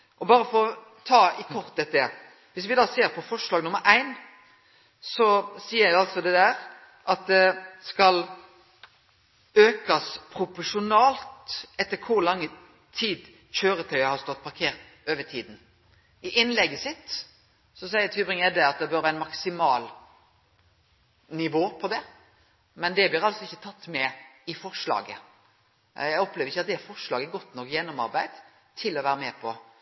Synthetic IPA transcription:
ʔɔbɑːɾəfɔɾɔ | t̪ʰɑːɪkʰɔʁt̪ɛt̪ːɛ | ʋɪsʋɪd̪ɑːseːɾpʰɔfɔʂlɑːɡnʊmːəɾʔæɪn | sɔsiːəɾjɑlt̪sɔd̪ɛd̪æːɾ | ʔɑt̪̚d̪ɛskɑl | øːkɑspʰɾʊpɔʂʊnɑːlt̪ɛt̪ːəɾkʰʊɾlɑŋːə | t̪ʰiːd̪ | çøːɾət̪ʰœʏəhɑɾst̪ɔt̪̚ːpʰɑɾkʰeːɾt̪ | øːʋət̪ʰiːd̪n̩ | ɪʔɪnlɛɡəsɪt̪ː | sɔsæɪəɾt̪ʰybʁɪŋæd̪ɛɑt̪̚d̪ɛbøːɾʋæːɾɪnmɑksɪmɑːl | nɪʋoːpʰɔd̪ɛ | mɛnd̪ɛblɪːɾɑlsɔɪçːət̪ʰɑt̪ːmɛɪfɔɾʂlɑ̰ːɡə | jæɪɔpleːʋɾɪçːɑt̪̚d̪ɛfɔɾʂlɑːɡəɛɾɡɔt̪ːnɔkːjɛnːɔmɑ̰ɾbæɪd̪̥ | t̪ʰɪlːɔʋæːɾəmɛpʰɔ

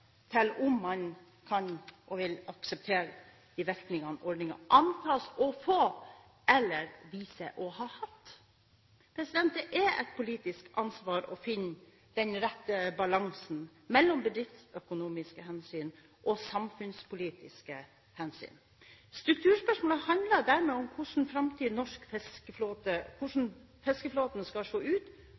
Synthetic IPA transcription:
t̪ʰɛlʊmːɑn | kʰɑnʔɔʋɪlɑksəp̚t̪ʰeːɾə | d̪̥ɪʋɪɾknɪŋɑnʔɔɖ̪nɪŋɑ̰ʔɑnt̪ʰɑːsɔfoː | ʔɛlːəɾʋiːsəʔɔhɑːhɑt̪ː | pʰɾɛsɪd̪ɛnt̪əʔɛɾɛ̰t̪̚pʰʊliːt̪ɪskɑnsʋɑːɾɔfɪnː | d̪̥ɛnɾɛt̪ːəbɑlɑŋsn̩ | mɛlːɔmbəd̪ɾɪft̪sœkʊnuːmɪskəhɛnsyːn | ʔɔsɑmfʉnspʊliːt̪ɪskə | hɛnsy̰ːn | st̪ɾʉk̚t̪ʰʉːspœʂmoːləhɑnd̪lɑd̪æːɾmeːɔmkʰʊʂn̩fɾɑmt̪ʰyːnɔʂkfɛskəfloːt̪əkʰʊʂn̩ | fɛskəfloːt̪nskɑʂoːʉːt̪

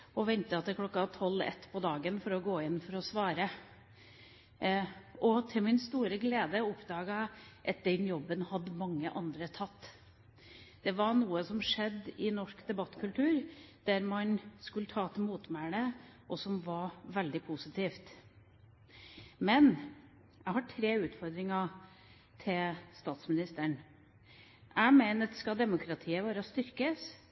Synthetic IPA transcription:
ɔʋɛnt̪əɑt̪ːəkʰlɔkːɑt̪ʰɔlːɛ̰t̪ːpʰɔd̪ɑːɡənfɔɾɔɡoːɪnːfɔɾɔsʋɑːɾə | ʔɔt̪ʰɪlmɪnst̪uːɾəɡleːd̪əɔpd̪ɑːɡɑʔɑt̪̚d̪ɛnjɔbːənhɑd̪ːəmɑŋːə̰ʔɑnd̪ɾət̪ʰɑt̪ː | d̪̥ɛʋɑɳuːəsɔmʂɛd̪ːɪnɔʂkd̪ɛbɑt̪ːkʰʉlt̪ʰʉːɾd̪̥æɾmɑnskʉlət̪ʰɑːt̪ʰːmuːt̪mæɳəʔɔsɔmʋɑɾʋɛld̪ɪpʰusɪt̪ʰiːft̪ | mɛn | jæɡhɑʈʰɾeːʉːt̪fɔɾd̪ɾɪŋɑ | t̪ʰɪlst̪ɑːt̪smɪnɪst̪əɳ | ʔæɪmeɪnət̪skɑd̪ɛmʊkʰɾɑt̪ʰiːəʋɑːɾəst̪ʏɾkəs

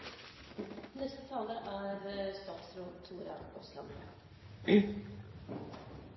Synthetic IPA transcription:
nɛst̪ət̪ʰɑːləʔæɾst̪ɑːt̪sɾuːt̪ʰuːɾɑ̰ɔslɑn

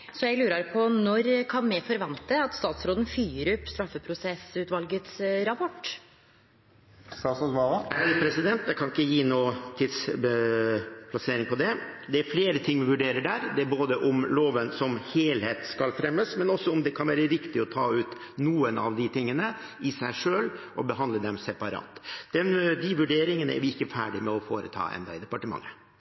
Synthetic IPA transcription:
sɔjæɪlʉːɾəɾpʰɔnɔɾkʰɑnmɛfɔɾʋɛnt̪əɑt̪st̪ɑːt̪sɾoːd̪ən̩fyːɾʉpst̪ɾɑfːəpʰɾʊsɛsʉːt̪ʋɑlɡət̪sɾɑpʰɔʈː | st̪ɑːsɔsʋɑːʋɑæpʰɾɛsɪd̪ɛnt̪d̪ɛkʰɑnɪkːəjiːnuːt̪ʰɪd̪s | pʰlɑseːɾɪŋpʰɔd̪ɛd̪ɛæɾfleːɾət̪ʰɪŋːʋɪʋʉɖeːɾəɖæɾd̪ɛæɾboːd̪əʔʊmloːʋənsɔmheːlheːt̪skɑlfɾɛmːəsmɛnɔsːɔʊmd̪ɛkʰɑnʋæːɾəɾɪkt̪ɪɔt̪ʰɑːʉːt̪ | nuːənɑ̰ʋd̪ɪt̪ʰɪŋːənəɪsæɪʂøːlʔɔbəɦɑnd̪ləd̪ɛmsɛpɑɾɑ̰ːt̪d̪̥ɛnd̪ɪʋʉɖeːɾɪŋənəɛ̰ɾʋɪɪkːəfæ̰ːɖɪmɛɔfo̰ːɾə̰t̪ʰɑ̰ːʔɛ̰nd̪ɑɪd̪ɛpɑʈəmɑ̰ŋːə

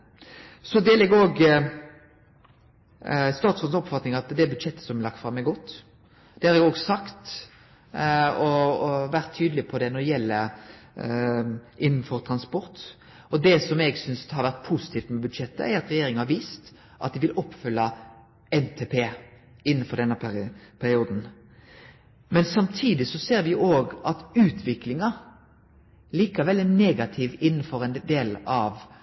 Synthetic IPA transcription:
sɔd̪ɛlɛɡoːɡ | st̪ɑːt̪sfɔnsɔpfɑt̪nɪŋɑt̪d̪ɛːɾbʉd̪ʃɛt̪ːə̥sɔmælɑkt̪fɾɑmːɛɡɔt̪ː | d̪̥ɛhɑɾɛɡoːɡsɑkt̪ | ɔʋæɾt̪ʰːyːd̪əlɪpʰɔd̪ɛnɔd̪ɛjɛlːə | ʔɪnːn̩fɔɾt̪ʰɾɑnspɔɾt̪ | ɔd̪ɛsɔmɛɡsʏnshɑɾʋæʁt̪̚pʰuːsɪt̪iːft̪mɛbʉd̪ʃɛt̪ːə̰æɾɑt̪ɾɛjeːɾɪŋhɑɾʋiːst̪ | ʔɑ̰t̪̚d̪ɪʋɪlʔɔpːfʏlːɑ | ɛnt̪ʰeːpʰeː | ɪnːənfɔɾd̪ɛnːəppʰæɾɪuːd̪n̩ | mɛnsɑmt̪ʰiːd̪ɪsɔseːɾʋɪʔoːɡʔɑt̪ʉːt̪ʰʋɪklɪŋɑ | liːkɑʋɛlːɛneːɡɑt̪ʰiːʋɪn̩ːfɔɾɛnd̪eːlɑʋ

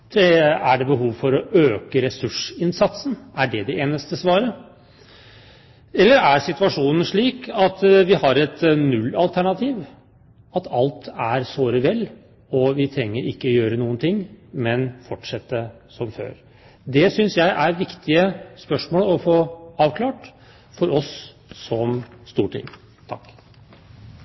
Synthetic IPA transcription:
æɖɛbəɦuːʋfɔɾɔʔøːkəɾɛsʉʂɪnsɑt̪sn̩æɖɛd̪ɛʔeːnəst̪əsʋɑːɾə | ɛlːəɾæɾsɪt̪ʉɑʂuːnən̩ʂɭiːkʰɑt̪ʋɪhɑɾɛt̪nʉlːɑlt̪ʰæɳɑt̪ʰiːʋ | ɑt̪ʰɑlt̪æɾsoːɾəʋɛlː | ɔʋɪt̪ʰɾɛŋːəɾɪkːəɔjøːɾənuːənt̪ʰɪŋːmɛnfɔʈʂɛt̪ːə | sɔmfø̰ːɾ | d̪ɛsʏnsjæɪʔæɾʋɪkt̪ɪəspœʂmoːlɔfoːɑːʋkʰlɑːʈ | fɔɾɔs | sɔmst̪uːʈʰɪ̰ŋː | t̪ʰɑkː

